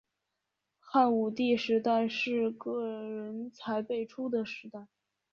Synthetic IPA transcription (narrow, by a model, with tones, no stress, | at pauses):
xa˥˩nu˨˩t̪i˥˩ʂɻ̩˧˥t̪a˥˧ɪʂɻ̩˥˧kɤ˥˩ɻə˧˥nt͡sʰa˧˥ɪpe˥˩ɪʈ͡ʂʰu˥d̪ə˨ʂɻ̩˧˥t̪a˥˩ɪ